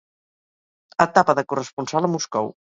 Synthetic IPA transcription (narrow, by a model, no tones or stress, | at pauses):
ət̪apəðəkurəspunsalˠəmuskɔ̰w